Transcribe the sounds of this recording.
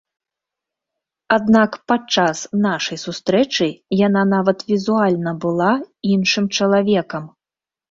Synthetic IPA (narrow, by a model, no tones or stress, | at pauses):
ad̪nakpat͡ʂasnaʂɐjsust̪ɾɛt͡ʂɨjan̪anavɐt̪vʲizualʲnɐbɨlˠainʂɨmt͡ʂɐlˠavʲɛkɐm